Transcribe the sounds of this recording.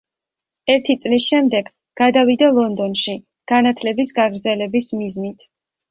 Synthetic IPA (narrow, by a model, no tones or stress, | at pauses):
ɛɾt̪ʰit̪sʼlisʃɛmd̪ɛɡ | ɡ̥ad̪avid̪alˠɔnd̪ɔnʃi | ɡ̥anat̪ʰlɛbisɡaɡɾd̪zɛlɛbismiznit̪ʰ